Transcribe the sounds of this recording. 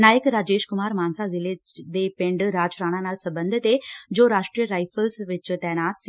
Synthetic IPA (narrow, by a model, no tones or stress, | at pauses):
naːjəkɾaːd͡ʒeːʃkʊmaːɾmaːnsazɪled̪epẽɳɖɾaːd͡ʒɾaːɽ̃ãnaːlsəbənd̪ʱɪt̪ed͡ʒoːɾaːʂʈɾijəɾaːjfʰəlsʋɪt͡ʃt̪ɛːñaːt̪si